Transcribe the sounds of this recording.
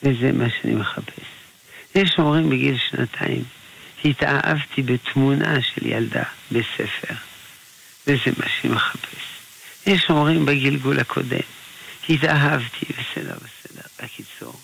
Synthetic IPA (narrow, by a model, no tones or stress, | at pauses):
vezemʔaʃeanḭmeχapʰes | jeʃomʁimbeɡilʃnat̪ʰaim | hit̪aʔavt̪ʰibet̪munʔaʃḛlja̰ld̪a̰besefe̞ʁ | vezemʔaʃanimeχapʰes | jeʃomʁimbaɡilɡulhakʰo̞̰d̪ḛmhit̪aɦavt̪ʰibesed̪ḛʁbesedeʁakit͡so̰ʁ